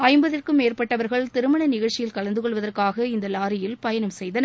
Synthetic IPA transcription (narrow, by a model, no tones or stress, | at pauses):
ɐɪmbɐðɪrkɯmeːrpɐʈːɐʋɐɾɣɐɭt̪ɪɾɯmɐɳɐnɪɣɐɭt͡ʃːɪjɪlkɐɭɐnd̪ɯkɔɭʋɐðɐrkaːɣɐɪnd̪ɐlaːɾɪjɪlpɐjɐnɐmsɛjðɐnɐ